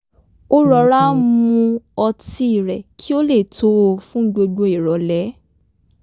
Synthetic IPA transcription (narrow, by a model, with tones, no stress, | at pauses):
o˦ɾɔ˧˦ɾa˦mũ˧ɔ˧ti˦i˦˨ɾɛ˨kʰi˦o˦le˦˨tʰo˨˦o˧fũ˦ɡ͡bo˧ɡ͡bo˧i˨ɾɔ˨˦lɛ˨˦